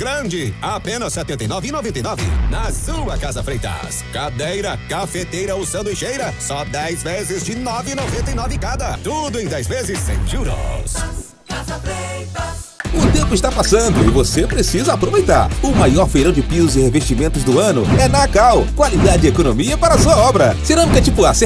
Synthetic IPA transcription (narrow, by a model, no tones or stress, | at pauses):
ɡ̥ɾɐ̃d͡ʒɪapẽnɐssɛt̪ẽnt̪ɐejnɔvɪːnovẽnt̪ejnɔvɪ̰nɐzũɐkazɐfɾejt̪ɐ̰skad̪ejɾɐkafet̪ejɾɐʊsɐ̃nd̪ʊɪʃejɾɐsɔd̪ɛjzvezɪzd͡ʒɪnɔvɪːnovẽnt̪ɐinɔvɪkad̪ɐt̪ud̪ʊẽj̃d̪ɛjzvezɪsːḛ̃j̃ʒuɾo̰s | kazɐfe | t̪ | ʊt̪ẽmpʊɪst̪apasɐ̃nd̪ʊɪ̰vosepɾesizɐapɾovejt̪a̰ɾʊmajɔɾfejɾɐ̃w̃d͡ʒɪpizʊzɪheveʃt͡ʃimẽnt̪ʊzd̪ʊɐ̃nʊɛnakawkwalid̪ad͡ʒɪd͡ʒɪekonomiɐpaɾɐasuɐɔbɾɐseɾɐ̃nũkɐt͡ʃipʊase